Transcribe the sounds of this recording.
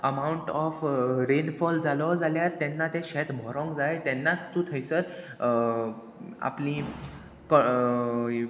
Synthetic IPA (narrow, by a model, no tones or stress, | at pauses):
əmauɳʈɔfɾenfɔld͡zalɔd͡zaljaɾt̪ɛnːat̪ẽɕɛt̪bʱɔɾɔ̃ŋɡd͡zaet̪ɛnːat̪ːũt̪ʰəjsəɾ | a̰pliː | kɔ